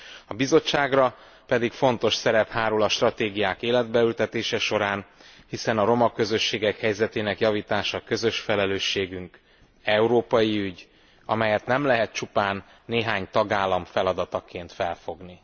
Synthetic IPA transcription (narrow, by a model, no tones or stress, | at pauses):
ɒbizo̞t͡ʃːaːɡrɒ | pɛd̪ikfo̞nt̪o̞ʃsɛɾɛphaːɾulɒʃt̪rɒt̪eːɡijaːkeːlɛd̪̚bɛylt̪ɛt̪eːʃɛʃo̞ɾaːnhisɛnɒɾo̞mɒkːø̞zø̞ʃːeːɡɛkhɛjzɛt̪eːnɛkjɒviːt̪aːʃɒkø̞zø̞ʃfɛlɛløːʃːeːɡyŋk | ɛuɾoːpɒjiyɟ | ɒ̰mɛjɛt̪nɛmlɛɦɛt̪̚t͡ʃupaːnː | eːɦaːɲt̪ɒɡaːlːɒmfɛlɒd̪ɒt̪ɒkeːnt̪fɛlfo̞ɡni